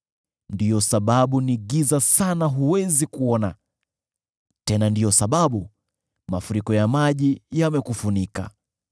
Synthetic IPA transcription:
ndijɔsaɓaɓuniɠizasanaɦuwɛzikuɔna | tɛnandijɔsaɓaɓu | mafuɾikɔjamaʄijamɛkufunika̰

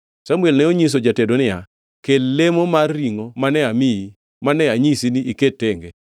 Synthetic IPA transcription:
samwɛlnɛoɲis̬od͡ʒatedonɪja | kelemomarːiŋomanɛamɪi | manɛaɲisiniʔiketːeŋɡe

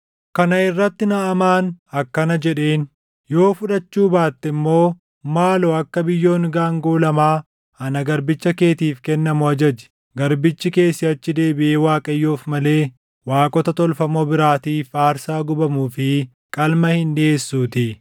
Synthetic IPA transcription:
kɐnɐɪrːɐt̪ːɪnɐʔɐmaːnɐkːɐnɐd͡ʒɛᶑe̞ːn | jo̞ːfʊᶑɐt͡ʃːuːbaːt̪ːɛmːo̞ː | maːlɔɐkːɐbɪjːo̞ːnɡaːŋɡoːlɐmaː | ɐnɐɡɐɾbɪt͡ʃːɐke̞ːt̪iːfkɛnːɐmʊɐd͡ʒɐd͡ʒɛ̥ | ɡɐɾbɪt͡ʃːɪke̞ːsːɪɐt͡ʃːɪd̪e̞ːbɪʔeːwaːkʼɐjːo̞ːfmɐle̞ː | waːkʼɔt̪ɐt̪ɔlfɐmoːbɪɾaːt̪iːfaːɾsaːɡʊbɐmuːfɪ | kʼɐlmɐhɪnd̪eːsːuːt̪ɪ

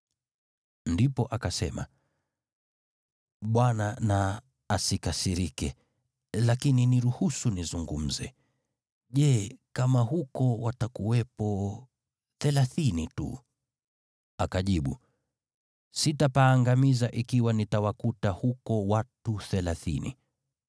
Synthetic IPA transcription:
ndipɔʔakasɛ̰ma̰ | ɓwananaː | sikasiɾikɛ | lakininiɾuhusunizuŋɡum̩zɛ̰ | ʄɛkamahukɔwatakuwɛpɔ | θɛlaθinitṵ | akaʄiɓṵ | sitapaːŋɡamizaʔikiwanitawakutahukɔwatuθɛlaθḭnḭ

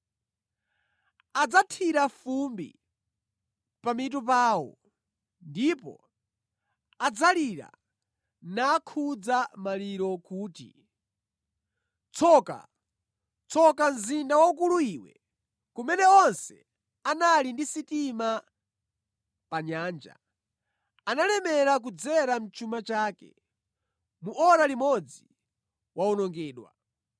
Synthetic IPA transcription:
ad͡zatʰiɾafumbḭ | pamit̬up̬aːwɔ̰ | ndipɔ̰ | ad͡zaliɾa̰ | naːkʰud͡zamaliɾɔkuːtḭ | t͡sɔka̰ | t͡sʰɔkam̩zindawaukuluiːwɛ̰ | kumɛnɛɔnsɛ̰ | analindisitima | paɲaːnd͡ʒa̰ | analɛmɛɾak̬ud͡zɛɾam̩t͡ʃumat͡ʃaːkɛ̰ | muʔɔɾalimɔd͡zi | waɔnɔŋɡɛːɗwa̰

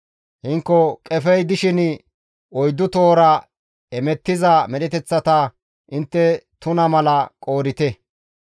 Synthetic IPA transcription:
hɪŋkːɔkʼɛfɛjd̪ɪʃɪn | ɔjd̪ːʊt̪o̞ːɾɐ | ɛmɛt̪ːɪzɐmɛɗɛt̪ɛt͡sːɐt̪ɐ | ʔɪnt̪ːɛt̪ʊnɐmɐlɐkʼo̞ːɾɪt̪ɛ

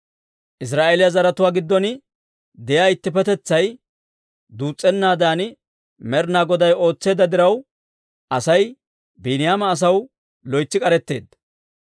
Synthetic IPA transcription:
ʔɪs̬ɾaːʔelɪjazɐɾɐt̪ʊwaːɡɪd̪ːɔnɪ | d̪ɛjaːɪt̪ːɪpɛt̪ɛt͡sːɐj | d̪uːt͡sʼːɛnːaːd̪aːnɪ | mɛɾnaːɡɔd̪ɐjo̞ːt͡sːe̞ːd̪ːɐd̪ɪɾɐw | ʔɐsɐj | biːnɪjaːmɐːs̬ɐw | lɔjt͡sːɪkʼɐɾɛt̪ːe̞ːd̪ːɐ

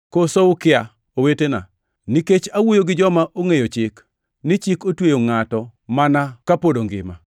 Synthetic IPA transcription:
kosoʊkɪa | owetena̰ | niket͡ʃawojoɡɪd͡ʒɔmaʔoŋejot͡ʃɪk | nɪt͡ʃɪkotwejoŋatɔmanakapodoŋɡɪ̰ma̰

